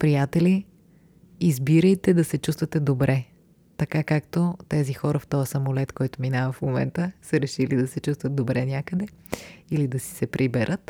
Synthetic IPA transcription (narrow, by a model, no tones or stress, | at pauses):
pɾijat̪ɛliː | zbiɾəjt̪ɛd̪ɐsɛt͡ʃust̪vət̪ɛd̪obɾʔɛ | t̪ɐkakakt̪ot̪ɛzixɔɾəft̪ɔjəsɐmolɛt̪kɔjt̪ominavəfmomɛ̰nt̪əsəɾɛʃilid̪ɐsɛt͡ʃust̪vət̪̚d̪obɾɛnʲakəd̪ɛilid̪ɐsi̥sɛpɾʔibɛɾʔət̪